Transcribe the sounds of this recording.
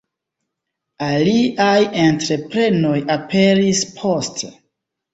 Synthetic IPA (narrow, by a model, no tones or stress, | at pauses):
aliʔajentɾe̞pɾe̞no̞japʰe̞ɾispʰo̞ste